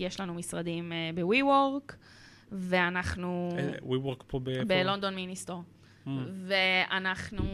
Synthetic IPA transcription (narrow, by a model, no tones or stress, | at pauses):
jeʃlanumisʁad̪imbewiwoʁk | ve̞anaχnuwiwoʁkpobbelo̞nd̪o̞nminist̪o | veanaχnu